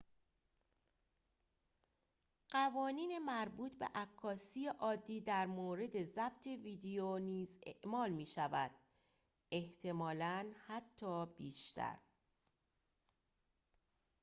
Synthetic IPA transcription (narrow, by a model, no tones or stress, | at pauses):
ɢ̥ævɒːniːne̞mæɾbuːt̪ʰbe̞̰ʔækʰːɒːsiːeʔɒːd̪ːiːd̪æɾmoːɾe̞d̪e̞zæbt̪ʰe̞viːd̪ejoniːzḛʔmɒːlmiːʃævæd̪̥ | e̞ht̪ʰe̞mɒːlænhæt̪ʰːɒːb̥iːʃt̪ʰæ̰ɾ